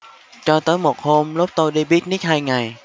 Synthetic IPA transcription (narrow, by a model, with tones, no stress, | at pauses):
t͡ɕɔ˧t̪əː˨˦˥jmo˨˩t̚ho˧mlu˦˥p̚t̪o˧jɗi˧ɓi˦˥ət̚ni˦˥t̚haː˧jŋa˨˩j